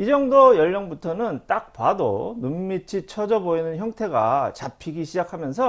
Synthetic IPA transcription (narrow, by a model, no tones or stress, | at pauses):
id͡ʑʌŋdojʌʎːʌŋbutʰʌnɯnt͈ak̚pwado̰nummit͡ɕʰit͡ɕʰʌd͡ʑʌboinɯnçjʌŋtʰe̞ɡa̰t͡ɕapʰiɡiɕʰid͡ʑakʰamjʌnsʰʌ